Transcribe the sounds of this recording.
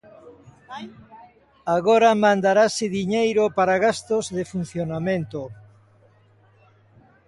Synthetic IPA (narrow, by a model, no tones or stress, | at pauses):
aɣoɾamãnd̪aɾasɪðiɲejɾopaɾaɣast̪ozðɪfun̟θjonamẽnt̪o